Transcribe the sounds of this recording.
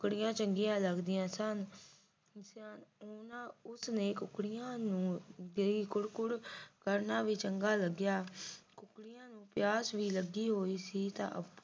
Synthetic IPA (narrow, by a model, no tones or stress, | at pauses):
ʊkɽɪjãːt͡ʃəŋɡɪjãːləɡd̪ɪjãːsən | snoːnãːʊsnẽːkʊkɽɪjãːnũːd̪eiːkʊɽkʊɽkəɾnaːʋiːt͡ʃəŋɡaːləɡjaːkʊkɽɪjãːnũːpɪjaːsʋiːləɡiːɦoːiːsiːt̪ã̰ːʔəp